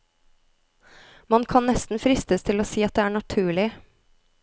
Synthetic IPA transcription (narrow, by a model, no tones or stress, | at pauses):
mɑnkʰɑnnɛst̪n̩fɾɪst̪əst̪ʰɪloːsiːɑt̪̚d̪eːæːɳɑt̪ʰʉːɭɪ